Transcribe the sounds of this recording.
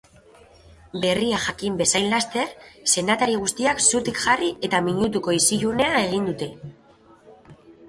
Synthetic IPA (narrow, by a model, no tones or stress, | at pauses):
be̞riaʝakimbe̞sajnlast̪e̞ɾse̞nat̪aɾieɣ̞ust̪iaksut̪ikʝariʔe̞t̪amiɲut̪̬uko̞isiʎune̞ae̞ɣ̞ind̪ut̪e̞